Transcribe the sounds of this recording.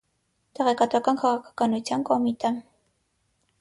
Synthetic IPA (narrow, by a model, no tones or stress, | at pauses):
t̪ɛʁɛkɑt̪vɑkɑnkʰɑʁɑkʰɑ̥kɑnut͡sʰjɑnkɔmit̪ɛ